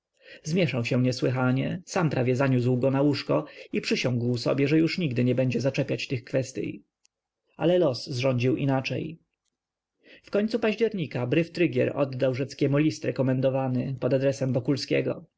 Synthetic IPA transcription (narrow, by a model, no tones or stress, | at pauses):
zmʲjɛʂawɕɛ̃ɲɛswɘxaɲɛsampɾavʲjɛzaɲus̬wɡɔnawuʂkɔipʂɘɕɔ̃ŋɡwsɔ̰bʲjɛʐɛjuʂɲiɡd̪ɘɲɛbɛɲd͡ʑɛzat͡ʂɛpʲjat͡ɕt̪ɘxkfɛst̪ʲjḭj | ʔa̰lɛlɔsːʐɔɲd͡ʑiwʔḭnat͡ʂɛ̰j | fkɔɲʲt̪supaʑd͡ʑɛɾɲikabɾɘft̪ɾɘɡʲjɛ̰ɾɔ̰d̪ːawʐɛt̪skʲɛmulʲist̪ɾɛkɔmɛnd̪ɔvanɘpɔd̪ad̪ɾɛsɛmvɔkulskʲɛ̰ɡɔ